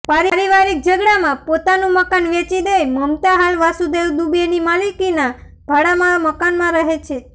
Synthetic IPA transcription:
paɾɾiʋaɾik̚d͡ʒəɡɽamãpot̪anũməkanʋet͡ʃid̪ejməmt̪aɦalʋasud̪ewd̪ubenimalikina | bʱaɽamãməkanmãɾəɦet͡ʃʰe

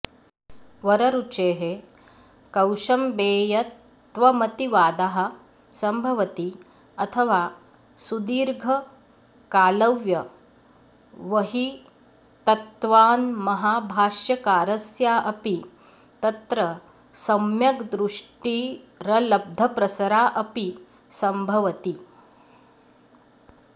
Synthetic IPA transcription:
ʋɐɾɐɾut͡ʃeːɦe | kɐwʃɐmbeːjɐt | t̪ʋɐmɐt̪iʋaːd̪aɦɐ̆ | sɐmbʱɐʋɐt̪i | ɐt̪ʰɐʋaː | sud̪iːɾɡʱɐ | kaːlɐʋjɐ | ʋɐɦi | t̪ɐt̪ʋaːnmɐɦaːbʱaːʂjɐkaːɾɐsjaːʔɐpi | t̪ɐt̪ɾɐ | sɐmjɐkd̪ɾuʂʈiː | ɾɐlɐb̚d̪ʱɐpɾɐsɐɾaːʔɐpi | sɐmbʱɐʋɐt̪i

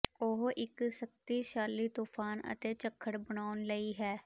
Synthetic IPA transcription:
oɦʔɪksək̚t̪iːʃaːlːiːt̪uːpʰaːnə̰t̪eːt͡ʃəkʰːəɽbənaːʊnləiːɦɛː

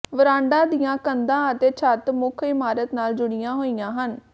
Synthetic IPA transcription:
ʋəɾãːɳɖãːd̪ijãːkənd̪ãːət̪eːt͡ʃʰət̪mʊkʰɪmaːɾət̪naːld͡ʒʊɽɪjãːɦoːijãːɦən

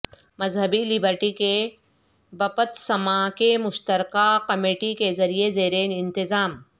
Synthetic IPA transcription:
mɐzɦəbilɪbəɾʈike | bɐpət̪sɐmakemʊʃt̪əɾkakɐmeːʈikezɐɾiezeːɾeːnɪ̃nt̪ɪzaːm

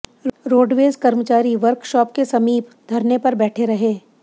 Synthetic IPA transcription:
ɾoːɖʋeːzkɐɾmət͡ʃaːɾiʋɐɾkʃɔːp̚kesɐmiːpd̪ʱɐɾnepɐɾbɛːʈʰeɾɐɦeː

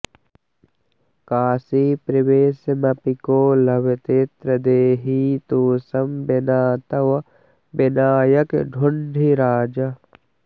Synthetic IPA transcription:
kaːsipɾiʋeːsmɐpikoːlɐbet̪et̪ɾɐd̪eːɦit̪oːsɐmbenaːt̪ɐw | bɪnaːjəkɖʱʊɳɖʱiɾaːd͡ʒɐ

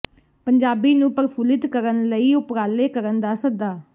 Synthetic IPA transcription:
pəɲd͡ʒaːbiːnũːpəɾpʰuːlɪt̪kəɾənləiːʊpɾaːleːkəɾənd̪aːsəd̪aː

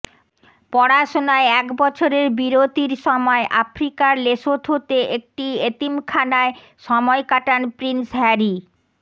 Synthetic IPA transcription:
pɔɽaʃonaeɛkbɔt͡ɕʰoɾeɾbiɾot̪iɾʃɔmɔeʔafɾikaɾleʃot̪ɦot̪eʔek̚ʈiet̪imkʰanae | ʃɔmɔekaʈanpɾinsɦɛɾi

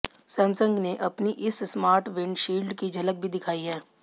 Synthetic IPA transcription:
sɛ̃ːmsə̃ŋɡneʔɐpniʔɪssmaːɾʈʋɪ̃ɳɖʃiːlɖkid͡ʒʱɐlək̚bʱid̪ɪkʰaːiɦɛː

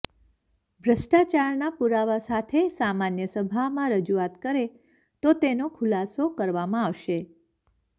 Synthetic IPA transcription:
bʱɾəsʈat͡ʃaɾnapuɾaʋasat̪ʰesamanjəsəbʱamãɾəd͡ʒuat̪kəɾe | t̪ot̪enokʰʊlasokəɾʋamãaʋʃe

